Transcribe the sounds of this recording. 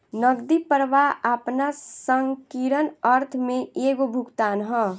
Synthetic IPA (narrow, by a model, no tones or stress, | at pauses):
nəɡd̪ipəɾʋaʔəpnasəŋɡkiɾənəɾt̪ʰmẽeːɡobʱukt̪aːnɦə̃